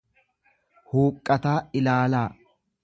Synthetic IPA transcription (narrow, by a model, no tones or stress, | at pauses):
huːkʼːɐt̪aːɪlaːlaː